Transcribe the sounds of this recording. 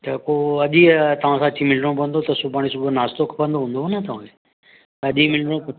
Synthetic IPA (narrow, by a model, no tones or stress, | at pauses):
t̪ɐkoɐʄit̪ɐʋ̤ãsãɐt͡ɕimɪlɽ̃õbɐ̃nd̪ot̪ɐsubaːɽ̃is̬ubʱənaːst̪okʰpɐ̃nd̪oɦũːnd̪oɦnɐt̪ɐʋãke | t̪ɐʄimɪlɽ̃õ